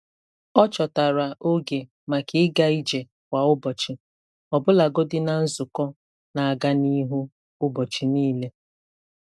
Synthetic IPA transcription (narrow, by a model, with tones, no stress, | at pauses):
ɔ˦t͡ʃɔ˨ta˨ɾa˨ʔo˦ɡe˨ | ma˨kɪ˨ɪ˦ɡa˦i˦d͡ʒe˨ | wʷa˨ʊ˦bɔ˨t͡ʃɪ˨ | ɔ˨bʊ˦la˨ɡo˦dɪ˦na˨n̩˦zʊ˨kɔ˦ | na˨a˨ɡa˦ni˦ɦu˦ | ʊ˦bɔ˨t͡ʃɪ˨niː˦le˦